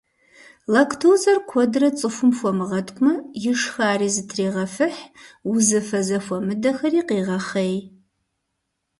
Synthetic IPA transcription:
lɐkʰtʰoːzɐrkʷʰɔdrɐt͡sʼɨfʷʊmfʷɔmɨʁɐtʰʼkʷʼmɐjɪʂxaːriːzɨtʰreːʁɐfɨħuzɨfɐzɐfʷɐmɨdɐxɐriːqeːʁɐχej

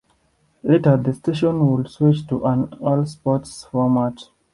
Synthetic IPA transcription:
letəd̪əsteʃɔ̃nwɪlswit͡ʃtuʔãnɔlspɔtsfɔmat

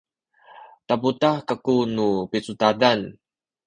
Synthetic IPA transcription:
t̪aput̪ahkakunupit͡sut̪adan

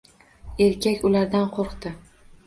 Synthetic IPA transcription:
e̞ɾkʲʰakʲʊlaɾd̪anqʰoɾqt̪ɪ

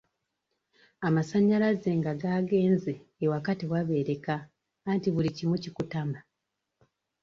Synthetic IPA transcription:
amasaɲːalazeːŋɡaɡaːɡe̞ːnzeːwakatiwaβe̞ːɾe̞kaː | ntiβulicimwucikutama

